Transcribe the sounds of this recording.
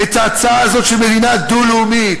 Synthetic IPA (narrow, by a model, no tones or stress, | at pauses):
et̪aːt͡saaːzo̞t̪ʃelmedinad̪uluumit